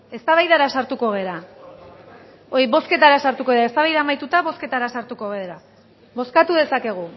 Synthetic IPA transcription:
e̞st̪aβajðaɾasaɾt̪uko̞ɣ̞e̞ɾa | oɾiβo̞ske̞t̪aɾasaɾt̪uko̞ɾaest̪aβajðamajt̪ut̪aβo̞ske̞t̪aɾasaɾt̪uko̞ɣeɾa | βo̞skat̪uðe̞sake̞ɣ̞u

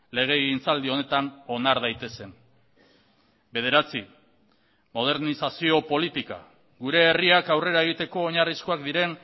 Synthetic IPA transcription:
le̞ɣ̞e̞ɣint͡sald̪io̞ne̞t̪ano̞naɾðajt̪e̞se̞n | be̞ð̞e̞ɾat͡si | mo̞ð̞e̞ɾnisasio̞po̞lit̪ika̰ | ɡuɾe̞ːriakawre̞ɾae̞ɣ̞it̪e̞ko̞ːɲariskoakd̪iɾe̞n

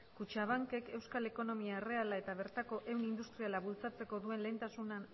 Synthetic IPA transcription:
kut͡ʃaβ̞aŋke̞ke̞wskale̞ko̞no̞miare̞alae̞t̪aβ̞e̞ɾt̪ako̞ʔe̞wnind̪ust̪ɾialaβult͡sat͡se̞ko̞ðue̞nle̞ːnt̪asunan

